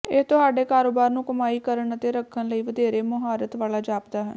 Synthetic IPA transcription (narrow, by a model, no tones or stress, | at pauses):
ɪt̪ʊɦaːɖeːkaːɾoːbaːɾnũːkəmaːiːkəɾəɳət̪eːɾəkʰːənləiːʋəd̪eːɾeːmʊɦaːɾət̪ʋaːlaːd͡ʒaːpd̪aːɦə̰n